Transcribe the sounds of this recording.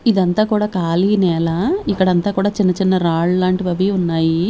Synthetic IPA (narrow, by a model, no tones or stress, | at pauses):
id̪ɐnt̪aːkuːɽaːkaːliːnɛːlaːikːɐɽɐnt̪aːkuːɽaːt͡ʃinːɐt͡ʃinːɐɾaːɭlaːɳʈiʋɐʋiːunːaːji